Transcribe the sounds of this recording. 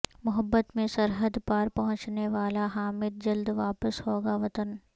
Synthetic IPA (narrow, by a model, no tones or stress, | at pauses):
mʊɦəbːət̪mẽsɐɾɦəd̪paɾpɐɦʊ̃t͡ʃneʋaːlaɦaːmɪd̪̚d͡ʒɐld̪ʋaːpəshoːɡaʋɐt̪ən